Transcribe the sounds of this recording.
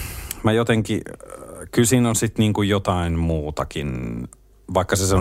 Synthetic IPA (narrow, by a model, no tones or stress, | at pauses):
mæjot̪eŋkḭ | kylsiːnonsit̪niːŋkujjot̪ɑinmuːt̪ɑkin | ʋɑˑikːɑseseo